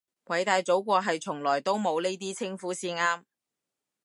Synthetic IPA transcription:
kwʰɐ˨˥jt̪aː˧jt͡so˨˥wkʷɔː˧ɦɐ˨jt͡sʰʊ˨˩ŋlɔː˨˩jt̪o˥wmo˨˧wne˥jt̪iː˥t͡sʰɪ˥ŋfuː˨˥siː˧nŋaː˥m

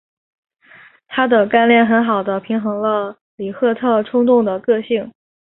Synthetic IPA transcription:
t̪ʰa˥d̪ə˨ka˥˧nljɛ˥˩nxə˧˥nxɑ˨˩ʊd̪ə˦pʰi˧˥ŋxɤ˧˥ŋlə˧ | li˨˩xɤ˥˧t̪ʰɤ˥˧ʈ͡ʂʰʊ˥ŋt̪ʊ˥˩ŋd̪ə˩kɤ˥˧ɕi˥˩ŋ

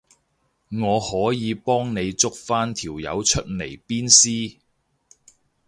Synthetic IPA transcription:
ŋɔː˨˧hɔː˨˥jiː˨˧pɔː˥ŋne˨˧jt͡sʊ˥k̚faː˥nt̪ʰiː˨˩wjɐ̰˨˧wt͡ʃʰɵ˥t̚le˨˩jpiː˥nsiː˥

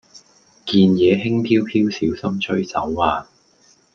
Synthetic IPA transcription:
kiː˧njɛː˨˧ɦɪ˥ŋpʰiː˥wpʰiː˥wsiː˨˥wsɐ˥mt͡ʃʰɵ˥ɥt͡sɐ̰˨˥wːaː˨

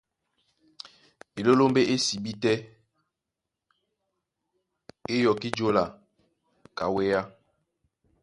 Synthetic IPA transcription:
e˨lo˦lo˦mbe˦ʔe˦si˨bi˦tɛ˦ | e˦jɔ˨ki˦d͡ʒo˦la˨ | ka˨we˦ja˦

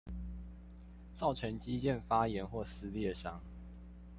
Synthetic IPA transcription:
t͡sɑ˥˨ʊʈ͡ʂʰə˨˦ŋt͡ɕi˦t͡ɕjɛ˥˨nfa˦jɛ˨˦nxwɔ˥˨s̩˨˦ljɛ˥˨˩ʂɑ˦ŋ

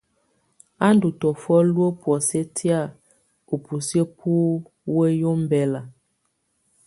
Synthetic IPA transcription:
a˦n˦du˨tɔ˨fɔ˦lwo˦pwɔ˨se˦tʰi˦a˦˨ | u˨pu˨sjə˦pʰu˦ | we˦jo˦m˦bɛ˦la˨

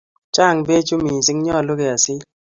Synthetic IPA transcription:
t͡ʃa˦˨ŋbe˦t͡ʃu˦mi˨sɪ˦ŋɲɔ˦˨lo˦ɡe˨a˨sɪ˦

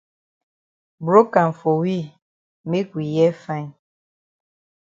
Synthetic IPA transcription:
bɾo˦ka˨m˨fo˨wi˦ | me˦kwi˨jɛ˦fa˦˨

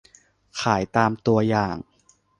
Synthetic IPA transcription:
kʰaː˩˦jt̪aː˧mt̪u˧ɐjaː˨˩ŋ

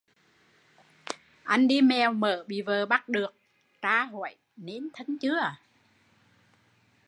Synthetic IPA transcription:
ʔa˧jŋ̟ɗi˧mɛ˨˩wməː˧˩˨ɓḭ˧˨vəː˨˩ɓa˦˥t̚ɗɨ˨˩ək̚ | t͡ɕaː˧ɦo̰˧˨j | ne˨˧˦nt̪ʰə˨˧˦ŋt͡ɕɨ˨˦˥ə

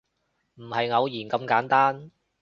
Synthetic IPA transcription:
m̩˨˩hɐ˨jŋɐ˨˧wjiː˨˩nkɐ˧mkaː˨˥nt̪aː˥n

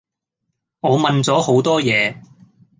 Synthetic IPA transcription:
ŋɔː˨˧mɐ˨nt͡sɔː˨˥ho˨˥wt̪ɔː˥jɛː˨˧

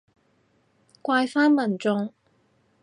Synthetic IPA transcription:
kʷaː˧jfaː˥nmɐ˨˩nt͡sʊ˧ŋ

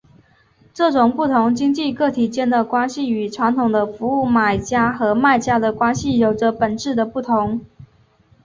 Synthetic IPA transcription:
ʈ͡ʂɤ˥˩ʈ͡ʂʊ˨˩ŋpu˥˩t̪ʰʊ˧˥ŋt͡ɕi˥ŋt͡ɕi˥˧kɤ˥˩t̪ʰi˨˩t͡ɕjɛ˥˩nd̪ə˨˩kwa˥nɕi˥˨˩y˨˩ʈ͡ʂʰwa˧˥nt̪ʰʊ˨˩ŋd̪ə˦fu˧˥u˥˩ma˨˩ɪt͡ɕja˥xɤ˧˥ma˥˩ɪt͡ɕja˥d̪ə˨kwa˥nɕi˨˩jo˨˩ʊʈ͡ʂə˦pə˨˩nʈ͡ʂɻ̩˥˩d̪ə˩pu˥˩t̪ʰʊ˧˥ŋ

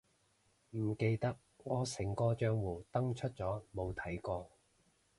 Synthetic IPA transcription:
m̩˨˩ke˧jt̪ɐ˥k̚ | ŋɔː˨˧sɪ˨˩ŋkɔː˧t͡ʃœː˧ŋwuː˨˩t̪ɐ˥ŋt͡ʃʰɵ˥t̚t͡sɔː˨˥mo˨˧wt̪ʰɐ˨˥jkɔː˧

